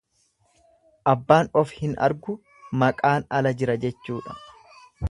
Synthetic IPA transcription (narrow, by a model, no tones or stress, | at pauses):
ʔɐbːaːnɔfhɪnɐ̰ɾɡʊ | mɐkʼaːnɐlɐd͡ʒɪɾɐd͡ʒɛt͡ʃːuːᶑɐ̥